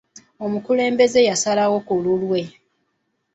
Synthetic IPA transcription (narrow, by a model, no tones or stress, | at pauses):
o̞mukule̞ːmbe̞ze̞jasalawo̞kululwe̞